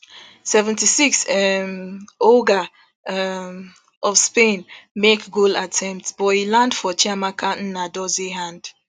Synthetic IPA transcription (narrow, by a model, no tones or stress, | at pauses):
sɛvɛ̃ntisiksɛmoɡa | ʔɔfspẽnmekɡolatʰɛ̃mp̚tsb̥ɔilãndfɔt͡ʃʰamakʰãʊ̃nn̩nadɔzeɦãnd̥